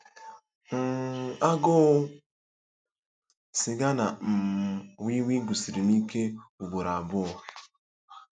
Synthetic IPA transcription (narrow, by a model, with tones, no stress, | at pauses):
ŋ̩˦˨a˦ɡɔ˦ | si˨ɡa˦na˨m̩˨wi˦wi˦ɡu˨si˨ɾi˨ni˦ke˦u˨ɡʷo˨ɾa˨a˨bʊ˦˨